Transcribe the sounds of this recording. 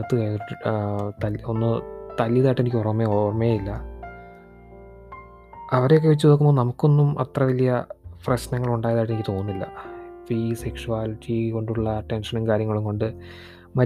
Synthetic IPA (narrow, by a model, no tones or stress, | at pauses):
ɐt̪ːɨkɐ | t̪ɐlonːɨt̪ɐljɐðaːjʈːenikʲːorɐmːeoːrmeːjilːɐ | ɐʋɐɾejokːeʋet͡ɕːuðo̞kːumboːnɐmukːo̞nːumɐt̪rɐʋɐlijɐprɐɕnɐŋːɐɭuɳɖaːjɐðaːjʈːe̞nikʲːit̪o̞ːnːilːɐ̰fise̞kʂuaːliʈːiko̞ɳɖuɭːɐːʈːe̞nʂɐnumkaːɾjɐŋːɐɭumko̞ɳɖɨ | mɐ